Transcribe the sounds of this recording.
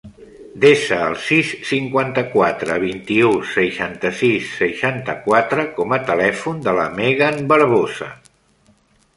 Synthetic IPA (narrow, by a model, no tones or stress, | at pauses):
d̪eʃəːlˠsisːiŋkwant̪əkwat̪ɾə̰β̞int̪iusəʃant̪əsisːəʃant̪əkwat̪ɾəkɔmət̪əlɛfund̪ələ̰meɣənbəɾβ̞ozə̰